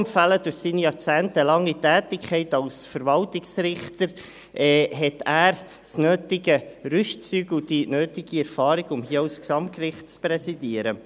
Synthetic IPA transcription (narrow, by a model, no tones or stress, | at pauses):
mfæləd̥ʊχsiːnijɑt͡sæːntəlɑŋːitæːtɪkʰɛɪtɑlsfəɾvɑltɪksɾɪχtəɾ | ʔɛːɦɛt̪æːɾ | snøːtɪɡəɾʏʃt͡syɡl̩d̥inøːtɪɡ̥iɛɾfɑːɾɪɡʊmhiəaʊsksɑmt̚kɾɪχtt͡spɾɛsidiəɾə